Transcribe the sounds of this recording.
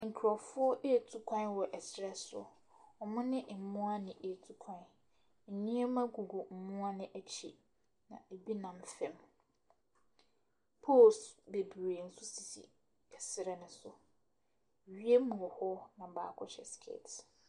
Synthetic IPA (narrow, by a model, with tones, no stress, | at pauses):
ŋ̩˨kʰᶣɾɔ˨fʊ˦ɔ˦ʔe˦˨tʰu˦kʷʰã˦nwɔ˨ʔɛ˨sɪ˦ɾɛ˦sʊ̰˨ | ɔ˨mʊ̃˦nɪ̃˦ʔ̩˨mʊ̃˦a˦nɪ̃˨ʔe˨tʰu˦kʰã˨n̩˨ | ɲĩ˦ɛ˦mã˦ɡu˨ɡo˨m̩˨mʊ̃˦a˦nɪ̃˦ʔæ˦t͡ɕʰḭ˨ | nã̰˨e˨bi˦nã˨mfɛ̃˨m | pʰoː˦˨sbe˨bi˨ɾe˨n̩˨˦sʊ˦si˨sḭ˨ | ɛ˨sɪ˦ɾɛ˨nʊ̃˨sʊ˨ | ɥi˦e˦mũ˨ɔ˨hɔ˦nã˨ba̰ː˦kʰɔ˦ɕɛ˨skʰḛː˦˨t